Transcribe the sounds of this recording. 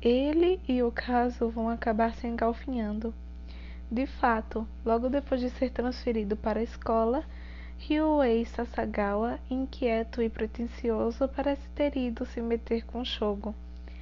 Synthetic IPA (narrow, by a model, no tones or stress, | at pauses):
elɪɪʊkʰazʊvɐ̃w̃akabaɾsɪẽŋɡawfĩɲɐ̃nd̪ʊ | d̪ɪfat̪ʊ | lɔɡʊd̪epojzd̪ɪseɾt̪ɾɐ̃sfeɾid̪ʊpaɾɐiskɔlɐ | hiuejsasaɡawɐĩkiɛt̪ʊɪpɾet̪ẽsiozʊpaɾɛsɪ̥t̪eɾid̪ʊsɪmet̪eɾkõʃoɡʊ